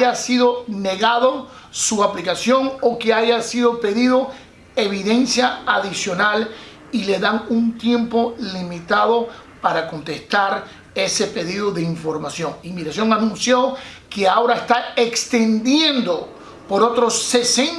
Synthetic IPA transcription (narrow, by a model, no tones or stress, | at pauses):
asiðo̞ne̞ɣaðo | suaplikasjo̞ŋoke̞aʝasiðo̞pe̞ðiðo̞ | eβiðe̞nsjaaðisjo̞nal | ile̞ðaŋunt̪je̞mpo̞limit̪aðo̞paɾako̞nt̪e̞st̪aɾ | e̞se̞pe̞ðiðo̞ðeiɱfo̞ɾmasjo̞ŋimiɣɾasjo̞ŋanũnsjo̞keao̞ɾaest̪ae̞kst̪e̞nd̪jẽ̞nd̪o̞ | po̞ɾo̞t̪ɾo̞sːesen